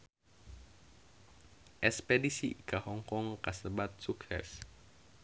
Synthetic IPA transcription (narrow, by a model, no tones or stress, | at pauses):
ʔɛspedisikahɔŋkɔŋkasəbat̪̚suksɛ̰s